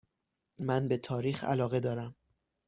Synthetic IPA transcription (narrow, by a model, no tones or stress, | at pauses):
mænbe̞t̪ʰɒːɾiːxæ̰lɒːɣe̞d̪ɒːɾæm